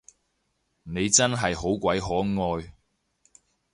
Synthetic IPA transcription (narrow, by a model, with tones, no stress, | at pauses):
ne˨˧jt͡sɐ˥nɦɐ˨jho˨˥wkʷɐ˨˥jɦɔː˨˥ŋɔː˧j